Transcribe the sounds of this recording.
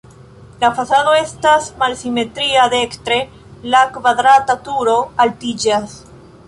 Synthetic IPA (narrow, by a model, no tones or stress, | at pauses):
lafasado̞e̞stasmalsime̞tɾiade̞ktɾe̞ | lakvad̪ɾatatuɾo̞altid͡ʒas